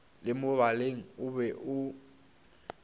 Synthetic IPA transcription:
lɪmʊβaleŋ̩ʊbɛʔʊ

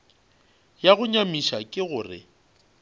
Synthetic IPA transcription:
jaɣʊɲamiʃakʼɪɣʊːrɪ̰

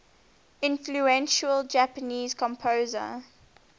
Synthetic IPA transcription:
ɪ̃nfluɛ̃nʃəld͡ʒæpəniːzkʰɔ̃mpʰoʊzə̰

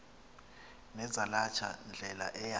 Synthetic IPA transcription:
nɛzalat͡ʃʰa̰nd͡ɮʱɛla̰ʔɛja

